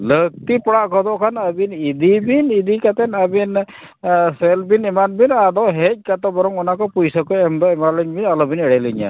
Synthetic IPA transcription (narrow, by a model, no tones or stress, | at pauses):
lək̚t̪ipɔɽaʔkɔd̪ɔʔkʰanəbinid̪ibinid̪ikat̪ɛnabin | selbinimanbinad̪ɔɦec̚kat̪ɔbɔɾɔŋɔnakɔpujsakɔɛmd̪ɔɛmaliɲbinalɔbinɛɽɛlɯɲa̰